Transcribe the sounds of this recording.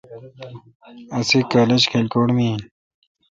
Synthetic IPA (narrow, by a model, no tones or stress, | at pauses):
ɐsikaːled͡ʑkʰelkoːɽmi